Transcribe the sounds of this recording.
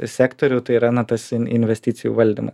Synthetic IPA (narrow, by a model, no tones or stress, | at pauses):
sʲæːkt̪oːɾʲʊt̪ɐɪɾɑːnɐt̪ɐsɪɪnʲʋʲɛsʲt̪ʲɪːt̪sʲɪjṵːʋɐlʲd̪ʲḭmɐs